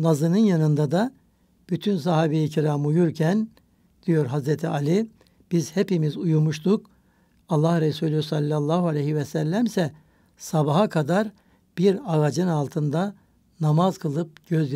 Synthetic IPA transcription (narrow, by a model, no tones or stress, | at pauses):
nazɯnɯnjanɯnd̪ad̪a | b̥yt̪ʰyns̬aɦaːbiːciɾaːmujuɾcʰæn | d̪̥ijo̞ɾɦazɾet̪ʰialʲi | b̥izhepimizujumuʃt̪ʰuk | alˠːahɾesuːlʲysalʲːalˠːaːɦualʲɛjhivɛsælʲːæmsɛ | sabaɦakʰad̪aɾ | b̥iɾaɣad͡ʒɯnalˠt̪ʰɯnd̪a | namazkʰɯlˠɯp̚ɟ̥øzj